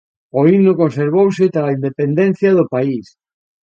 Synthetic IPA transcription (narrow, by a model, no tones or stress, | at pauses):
oinokõnseɾβowsɪt̪aːind̪epend̪enθjɐðʊpais